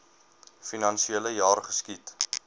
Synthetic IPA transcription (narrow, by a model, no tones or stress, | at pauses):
finɐnʃieləjɑːrχəskit